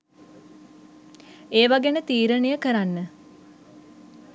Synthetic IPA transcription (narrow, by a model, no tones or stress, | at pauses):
eːʋaɡenət̪iːɾənejəkəɾanːə